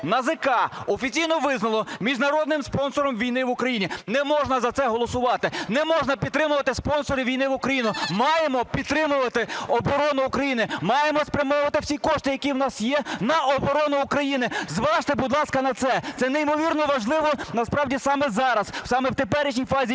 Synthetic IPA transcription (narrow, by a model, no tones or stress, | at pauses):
nɐzɪkɑɔfʲit͡sʲijnɔʋɪznɐlˠɔmʲiʒnɐɾɔd̪nɪmspɔnsɔɾɔmʋʲijnɪʋʊkɾɐjinʲinɛmɔʒnɐzɐt̪sɛɦɔlˠɔsʊʋɑt̪ɪnɛmɔʒnɐpʲid̪̚t̪ːɾɪmʊʋɐt̪ɪspɔnsɔɾɪʋʲijnɪʋʊkɾɐjinʊmɑjemɔpʲid̪̚t̪ɾɪmʊʋɐt̪ɪɔbɔɾɔnʊːkɾɐjinɪmɑjemɔspɾʲɐmɔʊʋɐt̪ɪwsʲikɔʃt̪ɪjɐkʲiwnɑsjɛnɐɔbɔɾɔnʊːkɾɐjinɪzʋɑʃt̪ɪbud̪lˠɑskɐnɐt̪sɛt̪sɛnɛimɔʋʲirnɔʋɐʒlˠɪʋɔnɐspɾɑwdʲisɑmɛzɑɾɐswsɑmɛwt̪epɛɾɪʃ̬nʲijfɑzʲi